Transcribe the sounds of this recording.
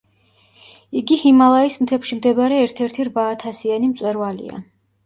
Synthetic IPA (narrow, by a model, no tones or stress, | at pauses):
iɡihimalˠaismt̪ʰɛpʃimd̪ɛbaɾɛːɾt̪ʰɛɾt̪ʰiɾvaːt̪ʰasianimt̪sʼwɛɾvalḭa̰